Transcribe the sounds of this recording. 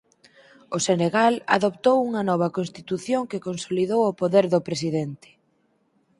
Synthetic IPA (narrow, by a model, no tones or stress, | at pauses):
ʊseneɣala̰ðopt̪owuŋɐnɔβ̞ɐkonst̪it̪uθjoŋkɪkonsoliðowopoðeɾðʊpɾesiðent̪ɪ̥